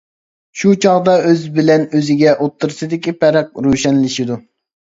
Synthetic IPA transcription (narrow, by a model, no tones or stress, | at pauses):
ʃut͡ʃʰɑʁd̪ɑøzbɪlɛnøzɪɡʲɛʔot̪ʰːɨɾsɨd̪ɪkʲipʰɛɾɛq̚ɾuʃɛnlɪʃid̪u